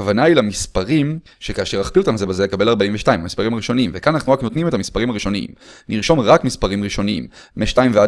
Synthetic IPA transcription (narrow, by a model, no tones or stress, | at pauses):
kavanailamispaʁim | ʃekaʃeʁaχpiot̪amzebezelekabe̞laʁbaiɱveʃtaimamispaʁimaʁiʃo̞niimvekananaχnuʁakno̞t̪nimetamispaʁimhaʁiʃo̞niḭmniʁʃo̞mʁakmispaʁimʁiʃoniḭmː | eʃtaimvea